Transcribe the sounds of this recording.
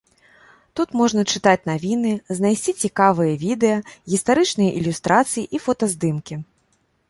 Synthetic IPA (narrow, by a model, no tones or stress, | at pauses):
t̪ut̪mɔʐnɐt͡ʂɨt̪at͡sʲnavʲinɨznajsʲt͡sʲit͡sʲikavɨjɐvʲid̪ɛjɐɣʲist̪aɾɨt͡ʂnɨjɐʔilʲust̪ɾʔat̪sɨjiʔifɔt̪ɐzd̪ɨmkʲi